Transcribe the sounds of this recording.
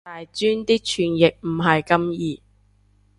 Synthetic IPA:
aː˨jt͡ʃyː˥nt̪iː˥k̚t͡ʃʰyː˨˩njɪ˨k̚m̩˨˩ɦɐ˨jkɐ˥mjiː˨˧

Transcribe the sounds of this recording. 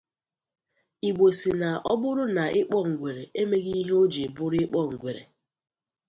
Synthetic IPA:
i˨ɡ͡bo˨si˨na˨ɔ˦bʊ˦ɾʊ˦na˨ʔɪ˦k͡pɔ˦ŋ̩˨ɡʷe˨ɾe˨e˦me˦ɣi˦i˦ɦe˦o˦d͡ʒe˨bʊ˦ɾɪ˦k͡pɔ˦˨ŋ̩˨ɡʷe˨ɾḛ˨

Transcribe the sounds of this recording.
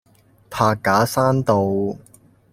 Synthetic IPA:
pʰaː˧kːaː˨˥saː˥nt̪o˨˧w

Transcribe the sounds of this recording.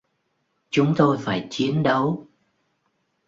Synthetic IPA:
t͡ɕʊ˨˦ŋ͡mt̪o˧jfaː˧˩jt͡ɕi˨˦ənɗə˨˦w

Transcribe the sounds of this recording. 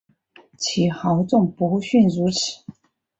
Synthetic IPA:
t͡ɕʰi˨˩xɑ˧˥ʊt͡sʊ˥˩ŋpu˧˥˧ɕy˥˩nɻu˧˥t͡s̩ʰ˨˩˦

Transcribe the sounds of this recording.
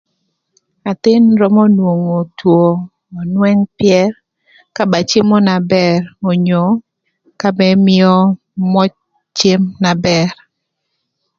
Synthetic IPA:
a˨t̪ɪ˦nɾɔ˦mɔ˦nwo˨ŋo˨two˨ | ɔ˨nwɛ˦ŋpjɛ˦ɾ | ka˦ba˨t͡ʃɪ˦mɔ˦na˨bɛ˦˨ɾo˨ɲo˨ | ka˦bɛ˦mɪ˦ɔ˦ | mɔ˦ | t͡ʃe˦mna˨bɛ˨ɾ

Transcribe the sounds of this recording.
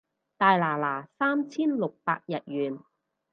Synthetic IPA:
t̪aː˨jlaː˨˩laː˨˩saː˥mt͡sʰiː˥nlʊ˨k̚pa̰ː˧k̚jɐ˨t̚jyː˨˩n

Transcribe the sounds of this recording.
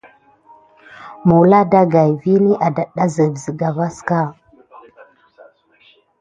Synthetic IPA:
mu˨wla˦da˦ɡa˨jvi˦ni˦ʔa˨da˨ɗːa˦zə˨vzə˨ɡa˨va˦ska˦

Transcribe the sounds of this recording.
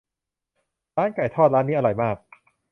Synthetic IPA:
ɾaː˦˥nka˨˩jt̪ʰɔː˥˩t̪̚ɾaː˦˥nːiː˦˥ʔa˧ɾɔ˨˩jmaː˥˩k̚

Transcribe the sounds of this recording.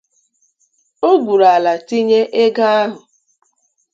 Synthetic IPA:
o˦ɡʷu˨ɾa˨la˨ti˦ɲe˦ʔe˦ɡa˦a˦ɦʊ˨

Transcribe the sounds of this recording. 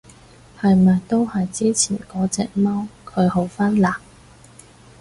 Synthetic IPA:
hɐ˨jmɐː˨jt̪o˥whɐ˨jt͡siː˥t͡sʰḭː˨˩nkɔː˨˥t͡sɛ̰ː˨˧k̚mɐ˥wkʰɵ˨˧ɥho˨˥wfaː˥nlaː˨˩k̚

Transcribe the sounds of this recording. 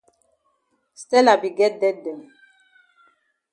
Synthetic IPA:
stɛ˦la˨bi˨ɡɛ˦t̚dɛ˦t̚dɛ˨n

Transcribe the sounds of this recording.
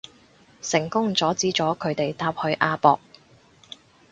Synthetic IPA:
sɪ˨˩ŋkʊ˥ŋt͡sɔː˨˥t͡siː˨˥t͡ʃɔː˨˥kʰɵ˨˧ɥt̪e˨jt̪aː˧˥p̚hɵ˨˧˥ɥʔaː˧pɔ̰ː˧k̚

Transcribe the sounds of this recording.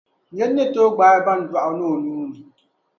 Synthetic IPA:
ɲe˦nːe˦to˦ɡ͡ba˨jba˦n˨dwa˨ʔa˨˦no˦˨nuː˦ni˨

